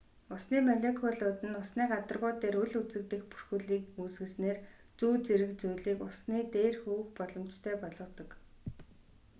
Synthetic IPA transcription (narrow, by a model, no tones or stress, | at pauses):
ʊsniːmaɮekʰɔɮʊːt̪ɘ̆nʊsniːɢat̪ə̆rʁʊːt̪eːɾɵɮut͡sɘ̆k̚t̪ɘ̆xpu̥r̥xŭɮiːkuːsɡɘ̆ɮsneːr | t͡suːt͡seɾɘ̆kt͡sujɮiːkʊsniːt̪eːrxuwɘ̆xpɔɮɞ̆mt͡ɕt̪ʰœːpɔɮɞ̆t̪ɞ̆k